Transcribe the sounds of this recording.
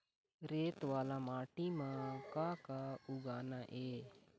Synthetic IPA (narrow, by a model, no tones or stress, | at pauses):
ɾeːt̪ʋaːlaːmaːʈiːmãːkaːkaːʊɡaːnaːʔeː